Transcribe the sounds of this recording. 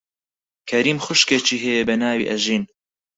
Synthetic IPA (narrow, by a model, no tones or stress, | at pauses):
kʰɐɾiːmxʊʃket͡ʃiːɦɛjebɐnaːwḭʔɐʒiːn